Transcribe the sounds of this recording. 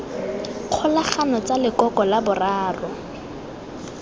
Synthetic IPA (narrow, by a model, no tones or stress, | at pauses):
q͡χʰɔlaχanɔt͡salɪkɔkɔlabʊraːrʊ